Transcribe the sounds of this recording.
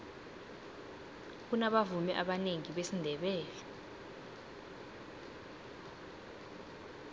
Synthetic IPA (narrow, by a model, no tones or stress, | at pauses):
kunaɓavumɛʔaɓaneŋiɓesindʱɛɓɛːlɛ